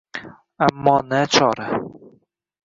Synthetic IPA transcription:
amːɒːnat͡ʃʰɒːɾa

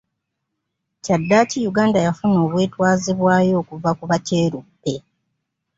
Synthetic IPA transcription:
cadːaːcijuɡaːndajafuno̞ːβwe̞ːtwaːziβwaːjo̞ːkuvakuβace̞ːɾupːe̞

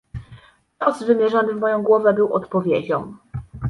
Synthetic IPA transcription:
tɔzvɘmʲjɛʐɛnt̪vmɔjɔ̃w̃ɡwɔvɛbɘwɔ̰t̪pɔvʲjed͡ʑɔ̃m

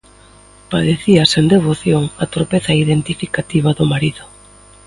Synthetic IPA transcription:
paðeθiɐsend̪eβoθjoŋɐt̪oɾpeθɐiðent̪ifikat̪iβ̞ɐðʊmaɾiðʊ

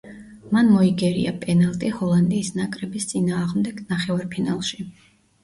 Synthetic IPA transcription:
manmɔiɡɛɾḭa̰pʼɛnalˠt̪ʼihɔlˠand̪iːsnakʼɾɛbist̪sʼinaːʁmd̪ɛɡ̥naχɛvaɾpʰina̰lˠʃi

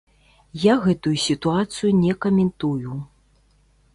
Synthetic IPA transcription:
jaɣɛt̪ujusʲit̪uat̪sɨjunʲɛkɐmʲɛnt̪uju

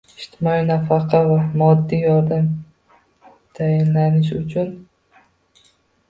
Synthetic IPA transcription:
ɪʃt̪ʰɪmɒinafɑqʰɑvamɒd̪ːijɒɾd̪am | t̪ʰajɪnlanɪʃʊt͡ʃʰʊn

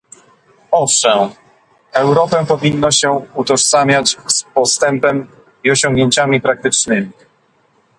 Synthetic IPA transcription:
ɔfʂɛm | ɛwɾɔpɛpɔvʲinːɔɕɛut̪ɔʂtsamʲjat͡ɕspɔst̪ɛmpɛm | iɔɕɔ̃ŋɡɲeɲt͡ɕamʲipɾak̚t̪ɘt͡ʂnɘmʲi

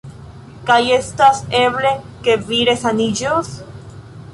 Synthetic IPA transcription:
kajest̪aseβle | keβiɾesanid͡ʒos

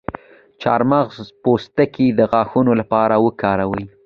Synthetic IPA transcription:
t͡ʃɑɾmɑɣzpost̪akid̪əɣɑxunolapɑɾawəkɑɾawəj

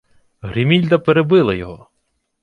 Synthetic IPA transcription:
ɦɾʲimʲilʲd̪ɐpeɾebɪlˠɐjɔɦɔ

